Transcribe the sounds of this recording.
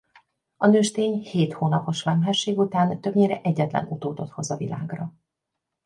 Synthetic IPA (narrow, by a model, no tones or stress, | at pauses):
ɒnøːʃt̪eːɲheːt̪hoːnɒpo̞ʃʋɛmɦɛʃːeːɡut̪aːnt̪ø̞bɲeːɾɛʔɛɟːɛt̪lɛ̰nut̪oːt̪o̞t̪ho̞zɒvila̰ːɡrɒ